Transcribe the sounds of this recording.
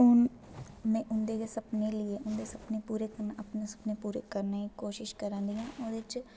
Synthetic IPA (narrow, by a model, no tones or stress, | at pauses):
ʊn | mɛ̃ːʔʊnd̪eːesəpneːlɪeʔʊnd̪eːsəpnepuːɾekənəpnesə̥pneːpuːɾḛːkəɾnaikoːʃɪʃkəɾãːnd̪iːãːʔod̪et͡ʃ